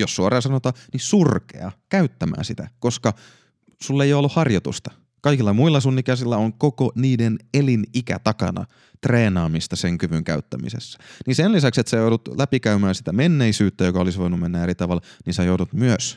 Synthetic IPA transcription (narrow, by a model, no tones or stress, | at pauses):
jossuɑrɑːsɑnot̪ɑːnisurkḛɑ̰kæyt̪ːæmæ̰ːsit̪æ̰koskɑ | sulːejoolːuhhɑrjot̪ṵst̪ɑ̥ | kɑikilːɑmuilːɑsunikæsilːæoŋkokoniːdenelinikæ̰t̪ɑkɑ̰nɑ̰ | t̪reːnɑːmist̪ɑseŋkyʋyŋkæyt̪ːæmḭsesːæ̥ninsenlisækset̪sæjoudut̪læpikæymæːsi̥t̪æmenːeisyːt̪ːæjokɑolisʋoinummenːæeɾit̪ɑʋɑlninsɑjoudut̪myøs